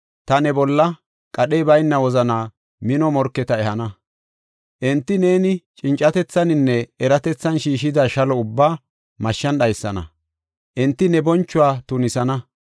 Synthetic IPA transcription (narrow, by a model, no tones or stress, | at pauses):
t̪ɐnɛbɔlːɐ | kʼɐɗɛjbɐjnːɐwɔzɐnaː | mɪnɔmɔɾkːɛt̪ɐɛhɐnɐ | ʔɛnt̪ːɪne̞ːnɪt͡ʃʼɪnt͡ʃʼːɐt̪ɛt͡sːɐnɪnːɛɛɾɐt̪ɛt͡sːɐnʃiːʃɪd̪aːʃɐlɔʊbːaː | mɐʃːɐnɗɐjsːɐnɐ̰ | ʔɛnt̪ːɪnɛbɔnt͡ʃːʊwaːt̪ʊnɪsɐnɐ